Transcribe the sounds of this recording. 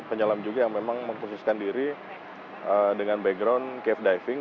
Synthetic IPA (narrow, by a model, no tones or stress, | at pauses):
pəɲalamd͡ʒuɡajaŋmemaŋməŋkususkandiɾi | ʔədəŋanbɛɡɾawnkɛfdajfɪŋ